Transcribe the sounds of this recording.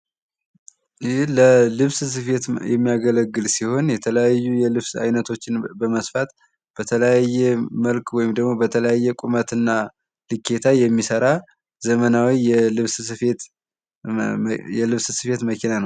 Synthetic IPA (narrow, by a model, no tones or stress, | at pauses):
jləlɨβssɨfe̞t̪jɛ̰mːijaɡələɡːɨlsiho̞njɛt̪ʰələjajːujɛlɨβsa̰jnət̪ʰo̞t͡ʃːɪnbəməsfat̪ | b̥ət̪ʰələjajːɛməlkwɔjɪmd̪əɡmo̞bət̪ʰələjajːɛkʼumət̪ɨnːa | lɨkːe̞t̪ʰajɛmːisəɾa | zəmənawijɛlɨβssɨfe̞t̪ | jɛlɨβssɨfe̞t̪məkʰinanəw